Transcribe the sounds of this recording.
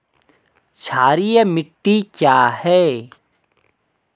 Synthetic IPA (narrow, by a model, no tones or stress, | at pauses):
t͡ʃʰaːɾijemɪʈːikjaːhɛː